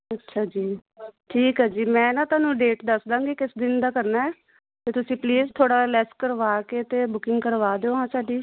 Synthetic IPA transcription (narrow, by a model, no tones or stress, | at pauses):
ətːʃʰaːd͡ʒiːʈʰiːkɦaːd͡ʒiːmɛ̃ːnãːt̪ʊaːnũːɖeːʈd̪əsd̪ãːɡiːkɪsd̪ɪnd̪aːkəɾnaːɛː | t̪eːt̪ʊsĩːpliːzt̪ʰoːɽaːlɛskəɾʋaːkeːt̪eːbʊkɪŋɡkəɾʋaːd̪eoːɦãːsaːɖiː